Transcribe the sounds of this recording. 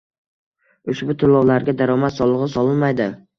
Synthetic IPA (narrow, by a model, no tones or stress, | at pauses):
ʊʃbʊt̪ʰʊlˠːɒwlaɾɡʲad̪aɾɒmat̪sɒlˠɨʁɨsɒlɪnmajd̪ɪ